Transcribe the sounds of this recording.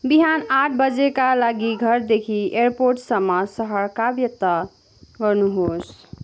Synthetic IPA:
biɦanaʈʰbəd͡ʒekalaɡiɡʱʌɾd̪ekʰieɾpoɾʈsəmːasəɦəɾkabjət̪a | ɡʌɾnuɦos

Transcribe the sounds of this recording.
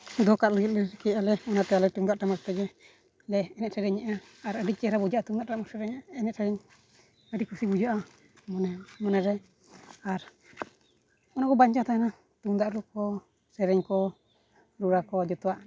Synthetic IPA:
d̪ɔkalɔɡit̪̚lɛɾɛkɛalɛɔnat̪ɛalɛt̪uŋd̪aʔʈamast̪ɛd͡ʒɛ | lɛɛnɛt̪ʔsɛɾɛɲɛʔaː | ɾəɖit͡ʃɛɾabud͡ʒaʔat̪uŋd̪aʔamɔsɛɾɛɲɛnɛʔ̪sɛɾɛɲ | əɖikusibud͡ʒaʔa | mɔnɛɾɛ | aɾ | ɔnakɔbaɲt͡ʃat̪ajana | t̪uŋd̪aʔɾukɔ | sɛɾɛɲkɔ | ɾuɾakɔd͡ʒɔt̪ɔaʔ

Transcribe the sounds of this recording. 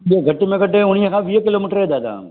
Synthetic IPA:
jeɡʱɐʈːimẽɡɐʈːeʊnijɐkʰãːʋiːɦɐkɪloːmiʈəɾed̪aːd̪a̰

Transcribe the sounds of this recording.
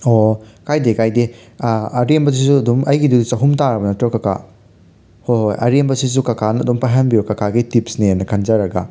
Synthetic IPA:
okajdekajde | ɐɾembɐs̬isuɐdumɐjɡidudit͡ʃɐɦumtaɾɐbɐnɐtɾɐkɐka̰ | hojhojʔɐ̰ɾembɐsis̬ukɐkʰanɐɐdumpajɦɐnbiukɐkʰaɡitipsninɐkʰɐnzɐɾɐɡɐ̰

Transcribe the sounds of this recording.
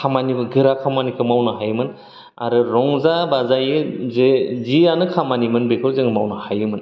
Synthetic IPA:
kʰamanibɯɡɯɾakʰamanikʰɯmawnɯɦajɯmɯn | a̰ɾɯɾɔŋzabazajɯzezianɯkʰamanimɯnbekʰɯɾzɯŋɯmawnɯhajɯmɯn

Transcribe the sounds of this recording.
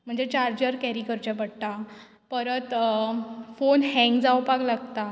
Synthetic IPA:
m̤əɳd͡zet͡ɕaɾd͡ʑəɾkɛɾikəɾt͡ɕapəɽt̪a | pəɾət̪ | fonɦɛ̃ŋɡd͡zawpaɡlaɡt̪a

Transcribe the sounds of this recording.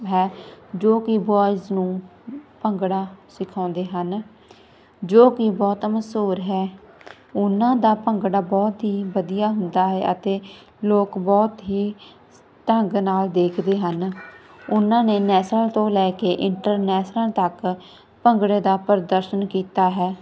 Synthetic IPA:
ɦɛːd͡ʒoːkɪbaːɪznũːpəŋɡɽaːsɪkʰãːnd̪eːɦən | d͡ʒoːkɪbɔːt̪məsuːɾɦɛː | ʊnãːd̪aːpəŋɡɽaːbɔːt̪ɦiːbəd̪ijaːɦʊnd̪aːɦɛːʔət̪eː | loːkbɔːt̪ɦiː | t̪əŋɡnaːld̪eːkʰd̪eːɦən | ʊnãːneːnɛːsnəlt̪õːlɛːkeːʔɪɳʈəɾnɛːsnəlt̪ək | pəŋɡɽeːd̪aːpəɾd̪əɾʃənkiːt̪aːɦɛː

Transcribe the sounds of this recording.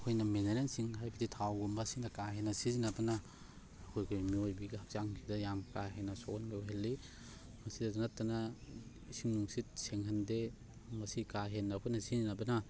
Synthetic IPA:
kʰojnɐmeneɾensiŋɦajbaditʰawɡumbasiŋdɐkaɦenːɐsizinabɐnɐː | kʰojɡemiojbiɡihak̚t͡ʃaŋkʰidɐjamkaɦenɐsɔkɔnbioɦelːi | mɐsidɐzanatːana | isiŋnuŋsit̚seŋɦande | mɐsikaɦenːapʰunɐsizinabɐna

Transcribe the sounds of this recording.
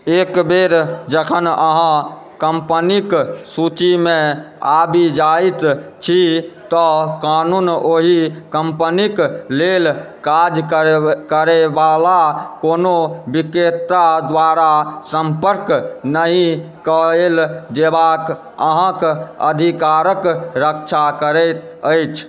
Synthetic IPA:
ekbeɾd͡ʒəkʰənəɦã | kəmpəniksut͡ʃimẽ | abid͡ʒait̪t͡ʃʰit̪ɔkanunoɦikəmpəniklel | kad͡ʒkkəɾebalakonobiket̪ːad̪ʋaɾasəmpəɾknəĩ | kəeld͡ʒebak | əɦə̃kəd̪ʱikaɾəkɾək̚t͡ʃʰakəɾɛt̪ | əjt͡ʃʰ

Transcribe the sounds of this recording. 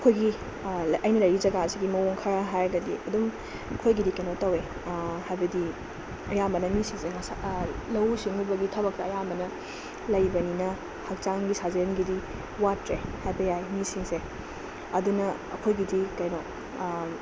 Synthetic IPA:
ɐkʰojɡi | ɐjnɐlɐjɾizɐɡaɐsiɡimɐwoŋkʰaɾaɦajɾɐɡɐdḭʔɐdum | kʰojɡidikɐjnotɐwe | hajbɐdi | ɐjambɐnɐmisiŋseŋɐsalɐwsiŋubɐɡitʰɐbɐk̚tɐɐjambɐnɐ | lɐjbɐninɐ | hɐk̚t͡ʃaŋɡisazɐjɐnɡidi | watɾehajbɐjajmisiŋse | ɐdunɐɐkʰojɡidikɐjno

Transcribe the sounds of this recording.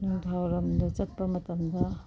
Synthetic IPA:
nuŋtʰawɾɐmdɐt͡ʃɐt̚pɐmɐtɐmdɐ

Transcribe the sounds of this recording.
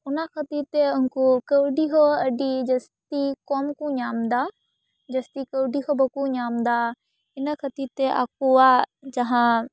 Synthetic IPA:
ʊnaxʰɐt̪iɾt̪eʊnkukəʋɖiɦoɐɖid͡ʒɐst̪ikoːmkũɲaːmd̪aː | d͡ʒɐst̪ikəʋɖiɦobɐkuɲaːmd̪a | ɪnəkʰɐt̪it̪eʔa̰ːkuad͡ʒɐ̃ɦã

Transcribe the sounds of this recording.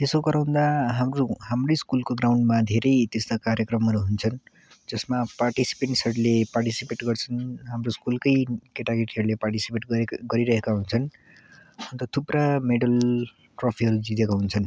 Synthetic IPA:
t̪esoɡʌɾaw̃nd̪aɦamrohamroskulkoɡrawɳɖmad̪ʱeɾʌjt̪est̪akaɾjʌkrʌmʌɾuɦunt͡sʰʌn | d͡zʌsmaparʈisi̥peɳʈsʌɾleparʈisipeʈɡʌrt͡sʰʌnɦamroskulkʌjkeʈaɡeʈiɦʌɾuleparʈisipeʈɡʌɾiɾʌɦekaɦunt͡sʰʌn | ʌnt̪ʌt̪ʰuprameɽʌl | ʈropʰiɦʌɾud͡zit̪ekaɦunt͡sʰʌn

